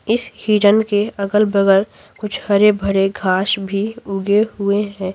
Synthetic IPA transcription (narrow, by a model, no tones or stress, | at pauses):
ɪshiːʈənkeɐkəlbəɡəɾ | kʊt͡ʃʰhɐɾebʱəɽeɡʱaːʃbʱiʊɡeɦʊeɦɛ̃ː